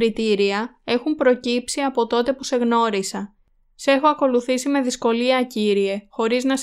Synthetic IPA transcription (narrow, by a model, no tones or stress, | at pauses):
ɾit̪iɾiɐ | e̞xumpɾo̞cipsiɐpo̞t̪o̞t̪e̞puse̞ɣno̞ɾisɐ | se̞xo̞ɐko̞luθisime̞ðisko̞liɐciɾie̞xo̞ɾiznɐs